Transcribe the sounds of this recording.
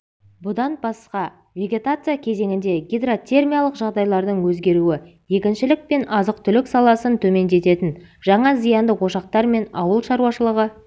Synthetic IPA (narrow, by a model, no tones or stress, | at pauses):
bʊd̪ɑnbɑsqɑ | vʲe̞ɡʲe̞t̪at̪sɨjakʲʰe̞ze̞ŋʲɪnd̪e̞ɡʲijd̪ro̞t̪ʲe̞rmʲijalˠəqʒɑʁd̪ɑjlˠɑɾd̪əɴwɵzɡʲe̞ɾuwɪ | je̞kʲɪnʃɪlɪk̚pe̞nɑzəq̚t̪ʰʏlɪksɑlˠɑsənt̪ʰɵme̞nd̪e̞t̪e̞t̪ɪnʒɑɴɑzijɑnd̪əwo̞ʃɑq̚t̪ɑɾme̞nɑ̰wəlˠʃɑɾuwɑʃəlˠəʁə